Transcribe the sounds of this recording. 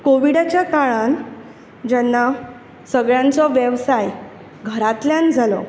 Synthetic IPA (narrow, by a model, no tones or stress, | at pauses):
koʋiɽat͡ɕjakaɭan | d͡ʑɛnːa | səɡɭjãnt͡sɔʋjəʋsaj | ɡʱəɾat̪ljãnd͡zʱalɔ̰